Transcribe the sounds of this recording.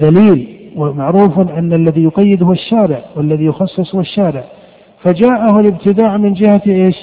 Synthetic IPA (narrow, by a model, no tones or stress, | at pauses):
d̪aliːlwamaʕɾuːfʔanːalːaðijʊqɑjːɪd̪hʊwaʃːaːɾɪʕwalːaðijʊxɑsˤːɨsˤhʊwaʃːaːɾɪʕ | fad͡ʒaːʔahʊlɪb̚t̪ɪd̪aːʕmɪnd͡ʒɪhaʔeːʃ